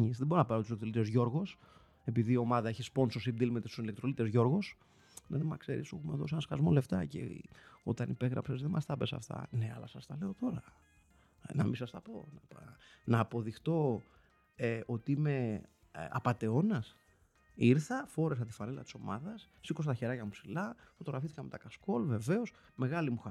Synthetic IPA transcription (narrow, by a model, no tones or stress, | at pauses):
ɲisðebo̞ɾonɐpɐɾt̪uslekt̪olit̪eozʝo̞ɾɣo̞s | e̞piðiːo̞mɐðɐeçispo̞nsosibd̪ilmet̪est̪usilek̚t̪ɾo̞lit̪e̞zʝo̞ɾɣo̞s | neðemɐkse̞̰ɾḭsexumeðo̞sienɐskɐzmo̞le̞ft̪ɐcḛo̞̰t̪ɐnipe̞ɣɾɐ̰pse̞zðemɐst̪ɐpe̞sɐ̰ft̪ɐ̰ne̞ɐ̰lɐsɐst̪ɐle̞o̞t̪o̞ɾɐ | nɐ̰misɐst̪ɐpo̞nɐpnɐːpo̞ðixt̪o̞ | eo̞t̪iime̞ | ɐ̰pɐt̪e̞o̞nɐs | iɾθɐfo̞ɾe̞s̬ɐt̪i̥fɐnelɐt̪i̥so̞mɐðɐsːiko̞s̬t̪ɐçe̞ɾɐcɐmupsilɐfo̞t̪o̞ɾɐfiθikɐme̞t̪ɐkɐsko̞lve̞ve̞o̞s | me̞ɣɐlimux